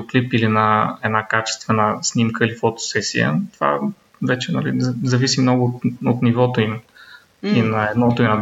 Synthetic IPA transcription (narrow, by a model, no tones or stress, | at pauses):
oklipilinɐɛd̪nakat͡ʃɛ̥st̪vɛnəsnimkəilifot̪o̥sɛsijə̰t̪ova̰ | vɛt͡ʃɛnɐlḭzɐvisimnɔɡʊt̪ot̪nivɔt̪oim | inɐɛd̪nɔt̪oinɐ